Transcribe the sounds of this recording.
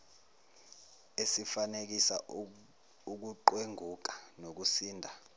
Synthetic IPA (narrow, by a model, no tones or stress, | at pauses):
esifanek̬isa̰ | uk̬uǃweŋʱuk̬ḁnok̬usiːndʱa